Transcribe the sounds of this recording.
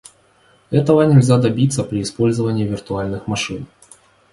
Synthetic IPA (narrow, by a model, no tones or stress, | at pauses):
ɛt̪əvənʲɪlʲzʲad̪ɐbʲit̪səpɾʲɪɪspo̞lʲzəvənʲɪːvʲɪrt̪ʊalʲnɨxmɐʂɨn